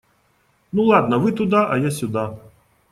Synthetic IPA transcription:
nulˠad̪nɐvɨt̪ʊd̪aʔɐjasʲʊd̪a

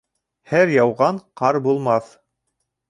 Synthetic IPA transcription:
hæɾjɑwʁɑɴqɑɾbulˠmɑθ

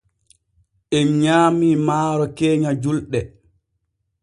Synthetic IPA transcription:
ʔɛnɲaːmiːmaːɾɔkeːɲad͡ʒulɗɛ

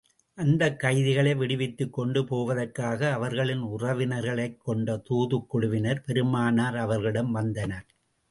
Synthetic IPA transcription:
ʔɐnd̪ɐkːɐɪðɪɣɐɭɐɪʋɪɽɪʋɪt̪ːɯkːɔɳɖɯpoːʋɐðɐɾkaːɣɐːʋɐɾɣɐɭɪnʊrɐʋɪnɐɾɣɐɭɐɪkːɔɳɖɐt̪uːðɯkːʊɽʊʋɪnɐɾpɛɾɯmaːnaːɾɐʋɐɾɣɐɭɪɽɐmʋɐnd̪ɐnɐɾ

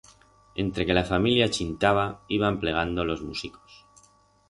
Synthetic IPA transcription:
e̞nt̪ɾe̞ke̞lafamiljat͡ʃint̪aβ̞aiβample̞ɣ̞and̪o̞lo̞zmusiko̥s

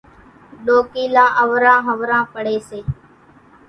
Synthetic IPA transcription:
ɗoːkiːlaːʔəʋɾãːɦəʋɾãːpəɽeːseː

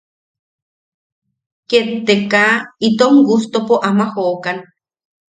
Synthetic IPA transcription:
ket̪ːekait̪oŋɡust̪opoʔamahoʔkan

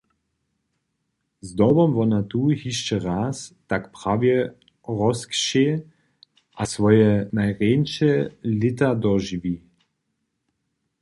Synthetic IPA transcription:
zd̪ɔbɔmvɔnat̪uhiʃt͡ʃɛʁaːst̪akpʁavjɛ | ʁɔskʃe | ʔasʋɔjɛnajʁenʃɛlɪt̪ad̪ɔʒivi

